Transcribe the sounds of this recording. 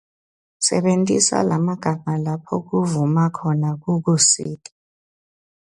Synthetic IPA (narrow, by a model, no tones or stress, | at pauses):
sɛ̰ɓentʼisa̰lamaɡ̥ʱaŋalapʰɔk̬uvumakʰɔnak̬uk̬usiːtʼḁ